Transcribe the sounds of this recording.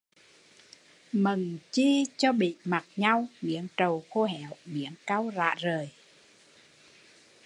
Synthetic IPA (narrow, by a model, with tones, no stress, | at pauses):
mə˨˩ŋt͡ɕi˧t͡ɕɔ˧ɓḭ˧˨ma˨˩t̚ɲa˧wmi˨˦ənt͡ɕə˨˩wxo˧ɦɛ˨˧˩wmi˨˦ənkaː˧wza̰ː˧˨zəː˨˩j